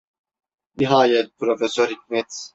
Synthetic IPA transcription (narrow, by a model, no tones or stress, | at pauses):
niɦaːjɛt̪̚pɾofɛsøɾhik̚ʲmɛt̪